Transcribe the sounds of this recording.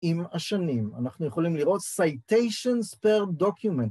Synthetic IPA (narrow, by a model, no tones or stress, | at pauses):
imaʃanima̰naχnujeχo̞limliʁo̞t̪sajtejʃonspeʁdokjumẽnt